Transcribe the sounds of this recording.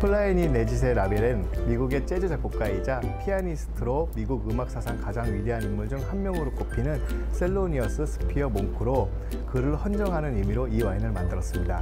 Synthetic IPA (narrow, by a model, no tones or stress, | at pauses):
pʰɯɭːaiɲine̞d͡ʑis̬ʰe̞ɾabeɾenmiɡuɡe̞t͡ɕ͈e̞d͡ʑed͡ʑak͈ok̚k͈aid͡ʑapʰianisʰɯ̥tʰɯɾomiɡuɡɯmak̚s͈ʰasʰaŋkad͡ʑaŋɥideɦanimːuɭd͡ʑɯŋhanmjʌŋɯɾok͈opʰinɯns͈ʰe̞ɭːoɲiʌs͈ʰɯsʰɯ̥pʰiʌmoŋkʰɯɾo | kɯɾɯɭhʌnd͡ʑʌŋɦanɯnimiɾoiwainɯɭmandɯɾʌs͈ɯmɲida